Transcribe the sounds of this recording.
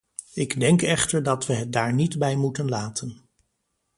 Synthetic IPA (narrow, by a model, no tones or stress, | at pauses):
ɪɡdɛŋkɛχtəɹdɑtʋəɦət̚daːɹnidbɛjmutənlaːtən